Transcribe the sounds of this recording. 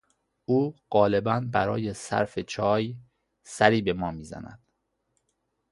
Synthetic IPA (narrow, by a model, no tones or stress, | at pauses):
uːɢ̥ɒːle̞bænbæɾɒːjesæ̰ɾfe̞t͡ʃʰɒːj | sæɾiːbe̞mɒːmiːzæ̰næ̰d̪̥